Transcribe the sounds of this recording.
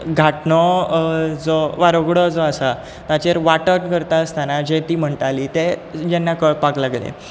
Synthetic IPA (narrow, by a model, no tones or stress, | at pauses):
ɡʱaʈnɔ | d͡zɔʋaɾoɡɽɔd͡zɔasa | t̪at͡ɕeɾʋaʈənkəɾt̪aəst̪anad͡ʑet̪iːm̤əɳʈaliːt̪ed͡ʑenːakəɭpaklaɡlḛ